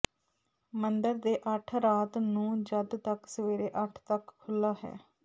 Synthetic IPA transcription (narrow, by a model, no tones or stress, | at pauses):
mənd̪əɾd̪eːʔəʈʰɾaːt̪nũːd͡ʒəd̪t̪əksəʋeːɾeːʔəʈʰt̪əkkʰːʊlːaːɦɛ̰ː